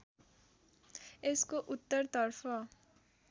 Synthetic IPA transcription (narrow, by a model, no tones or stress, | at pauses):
eskoʔut̪ːʌɾt̪ʌɾpʰʌ